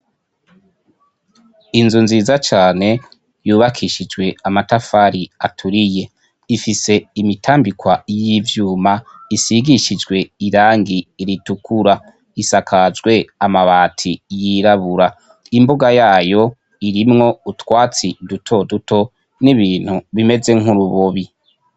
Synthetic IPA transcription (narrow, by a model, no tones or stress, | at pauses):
inzunziːzat͡ʃaːne̞ | juːβakʰiʃid͡ʒɡwe̞amatafaɾiatʰuɾije̞ | ifise̞imitʰaːmbikwajivjuːmaisiɡiʃid͡ʒɡwe̞iɾaːŋɡiːɾitukʰuɾa | isakʰazɡwe̞amaβaːtʰijiɾaβuɾa | imboɡajaːjo̞ | iɾimŋo̞utwaːt͡sidutʰo̞dutʰo̞ | niβiːn̥huβime̞ze̞ŋ̥huɾuβoβi